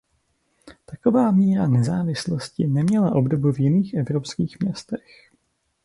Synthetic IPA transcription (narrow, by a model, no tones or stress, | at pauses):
t̪ako̞vaːmiːɾanɛzaːvɪslo̞scɪnɛmɲɛlaʔo̞bdobuvjɪniːxʔɛvɾopskiːxmɲɛst̪ɛx